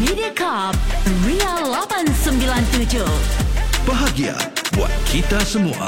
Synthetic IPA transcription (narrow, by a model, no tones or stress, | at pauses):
midiəkʰap̚ɹialɔbə̃nsə̃mbilãnt̪ud͡ʒu | b̥əɦaɡia̰bua̰t̪̚kʰit̪asəmua̰